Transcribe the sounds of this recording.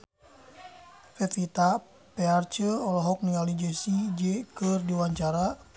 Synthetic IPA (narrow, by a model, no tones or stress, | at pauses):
fɛt̪it̪a | pɛart͡ʃəɔlɔɦɔk̚niŋalid͡ʒesid͡ʒekɨrdiwaɲt͡ʃaɾa